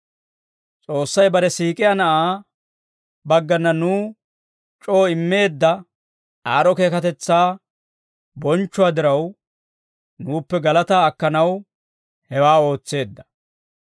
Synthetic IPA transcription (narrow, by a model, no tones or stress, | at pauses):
t͡sʼo̞ːsːɐjbɐɾɛsiːkʼɪjanɐʔaː | bɐɡːɐnːɐnuː | t͡ʃʼo̞ːɪmːe̞ːd̪ːɐ | aːɾɔke̞ːkɐt̪ɛt͡sːaː | bɔnt͡ʃːʊwaːd̪ɪɾɐw | nuːpːɛɡɐlɐt̪aːɐkːɐnɐw | hɛwaːo̞ːt͡sːe̞ːd̪ːɐ̥